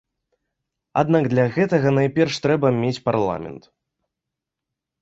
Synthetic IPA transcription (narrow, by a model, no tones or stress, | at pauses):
a̰d̪naɡd̪lʲɐɣɛt̪ɐɣɐnajpʲɛrʂt̪ɾɛbɐmʲet͡sʲparlˠa̰mʲɛ̰nt̪